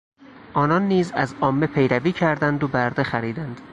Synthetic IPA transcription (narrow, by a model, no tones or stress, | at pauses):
ʔɒːnɒnːiːzæ̰zɒːmːe̞pʰe̞jɾæviːcʰæɾd̪ænd̪obæɾd̪e̞xæɾiːd̪ænd̪̥